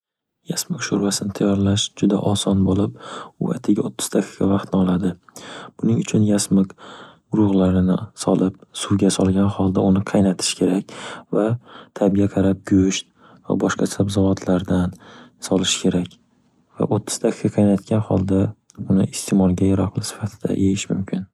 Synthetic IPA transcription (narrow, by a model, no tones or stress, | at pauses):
jasmɪkʃʊɾvasɪnɪt̪ʰajːɒɾlaʃd͡ʒʊd̪a̰ʔɒsɒnbolɪpʊa̰t̪ʰɪɡʲaot̪ʰːɪ̥z̥t̪ʰakʰʲɪ̥kʲavɑqt̪nɪɒlˠad̪ɪb̥ʊnɪŋʊt͡ʃʰʊnjasmɪkɡʊɾʊʁlaɾɪnɪsɒlɪp̚sʊwɡʲasɒlˠɡʲanχɒlˠd̪aʊnɪqʰɑjnat̪ʰɪ̥ʃkʲʰe̞ɾakʲvat̪ʰabijaqʰɑɾap̚ɡʲɵʃt̪̚ | va̰bɒʃqʰɑt͡ʃʰapzavɒt̪ʰlaɾd̪ansɒlˠɪʃkʲʰe̞ɾakʲ | va̰ʔot̪ʰːʊ̥z̥t̪ʰakʰʲɪkɑqʰɑjnat̪ɡʲanhɒ̰lˠd̪a | ʊnɪɪst̪ʰemɒlˠɡʲajaɾɒqlˠɪsɪ̥fat̪ʰɪd̪a̰ʔejɪʃmʊmkʲʰɪn